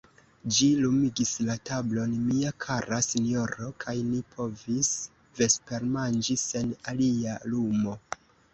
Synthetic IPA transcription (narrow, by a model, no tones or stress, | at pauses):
d͡ʒilumiɡislatablo̞nmiakʰaɾasinjo̞ɾo̞kʰajnipʰo̞vis | ve̞spe̞ɾmand͡ʒise̞nalialumo̞